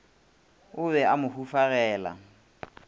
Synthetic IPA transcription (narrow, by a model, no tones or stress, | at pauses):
ʊbɛamʊhufaɣɛːla̰